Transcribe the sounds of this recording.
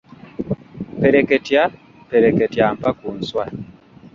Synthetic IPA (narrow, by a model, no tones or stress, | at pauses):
peɾeketja | peɾeketjampakun̩swa